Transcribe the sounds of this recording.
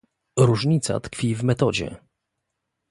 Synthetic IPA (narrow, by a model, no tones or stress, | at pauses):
ɾuʐɲit̪sa̰t̪kfʲivmɛt̪ɔd͡ʑɛ̰